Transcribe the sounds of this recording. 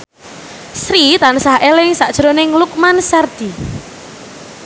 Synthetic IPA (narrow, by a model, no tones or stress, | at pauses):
sɾit̪ansaɦelɪŋsaʔd̥ʒ̥ɾonɪŋluk̚mansard̪̥i